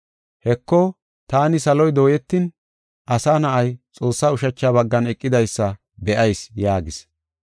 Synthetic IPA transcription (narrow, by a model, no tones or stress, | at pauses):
hɛkːɔ | t̪aːnɪsɐlɔjd̪o̞ːjɛt̪ːin | ʔɐsaːnɐʔɐjt͡sʼo̞ːsːaːʊʃɐt͡ʃːaːbɐɡːɐnɛkʼːɪd̪ɐjsːɐ | bɛʔɐjsjaːɡɪs